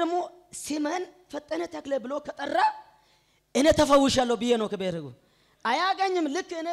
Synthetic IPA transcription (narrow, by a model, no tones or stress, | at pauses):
əmːo | simɐn | fət̪ʼːənet̪ʰaklebɨlokʰɐt̪ʼɐrːa | ʔɨnet̪ʰəfəwːʊʃalːəwbɨjːenəwkəbeɾɨɡṵ | ʔajaɡəɲːɪmlɨkːɨne